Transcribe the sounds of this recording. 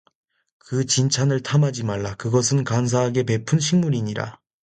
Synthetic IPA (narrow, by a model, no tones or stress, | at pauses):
kɯt͡ɕint͡ɕʰanɯɭtʰamɦad͡ʑimaɭːakɯɡʌs̬ʰɯnkans̬ʰaɦaɡe̞pe̞pʰunɕʰiŋmuɾiɲiɾa̰